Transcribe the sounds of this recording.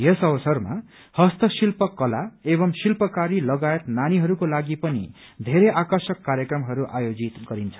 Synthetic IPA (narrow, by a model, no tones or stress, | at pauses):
jesʌbʌsʌrma̰ | hʌst̪ʌsilpʌkːʌlaebʌmsilpʌkaɾilʌɡajʌt̪naniɦʌɾukolaɡipʌnḭ | d̪ʱeɾeʔakʌrsʌkːaɾjʌkɾrʌmɦʌɾuʔajod͡zit̪ɡʌɾint͡sʰʌ̥